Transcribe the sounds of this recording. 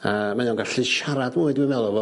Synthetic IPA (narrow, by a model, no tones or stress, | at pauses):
amajɔnɡaɬɨʃaɾadmʊɨdmanvɛlˠɔvɔ